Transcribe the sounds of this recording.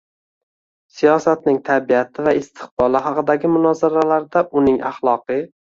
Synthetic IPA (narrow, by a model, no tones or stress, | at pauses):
sijɒsat̪nɪŋt̪ʰabiat̪ʰɪvaɪst̪ʰɪ̥qbɒlˠɪɦɑqɨd̪aɡʲɪmʊnɒzaɾalaɾd̪aʔʊnɪŋʔaχlˠɒqʰɨ